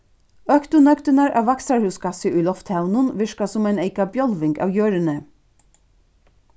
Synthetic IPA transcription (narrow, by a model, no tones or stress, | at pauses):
œkt̪ʊnœkd̪ənɑɹʔɑ̰ːʋɑksɑɹhʉːskɑsəʔʉlɔft̪haʊnənʋɪʃkɑsʊmæɪneɪkɑbjɔlʋɪŋɡɑ̰ːʋjøːɹənə